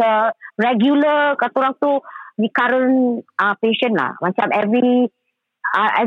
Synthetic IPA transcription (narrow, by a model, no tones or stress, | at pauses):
əɾɛɡjuləkat̪uɾaŋt̪udikaɾənəpeʃənla̰mət͡ʃamɛvɾi | ɛ